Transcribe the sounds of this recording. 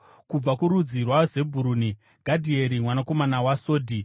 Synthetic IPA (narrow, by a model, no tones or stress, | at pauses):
kub͡vakuɾud͡zirwaze̞bʱuɾuːni | ɡ̥ʱadʱie̞ɾimwanako̞manawasoːdʱi